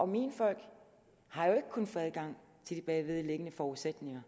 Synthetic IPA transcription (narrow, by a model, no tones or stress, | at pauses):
ʔɒ̽minfɒ̽l̰ɡ̥ | hɑ̈jo̝e̝ɡ̥ə̥kʰon̩fɔ̽æðˠɡ̥ɑ̈ŋ̰ | t͡sʰe̝ld̥ib̥ɛʋe̝ðˠleɡ̥ənəfɒːuð̩ˠsed̥ne̝ŋɐ